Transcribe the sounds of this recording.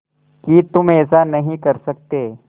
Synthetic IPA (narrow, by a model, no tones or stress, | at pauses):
kit̪ʊmɛːsanɐɦĩkɐɾsɐk̚t̪eː